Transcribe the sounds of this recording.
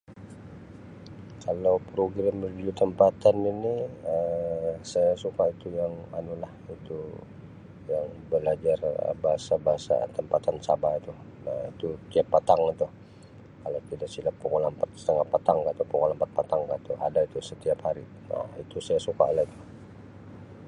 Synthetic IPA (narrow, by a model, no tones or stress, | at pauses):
kalawpɾoɡɾamːərd͡ʒiut̪əmpat̪aniniəsajasukait̪ujaŋanulahit̪u | jaŋbəlad͡ʒarə̰baɦasabaɦasa̰t̪əmpat̪ansabait̪unait̪ut̪iapːat̪aŋit̪u | kalat̪idaksilapukolampat̪sə̥t̪əŋahpat̪aŋkaʔt̪upɔkɔlampat̪̚pat̪aŋkat̪ua̰dait̪usət̪iaphaɾi | na̰it̪usajasuka̰lait̪u̥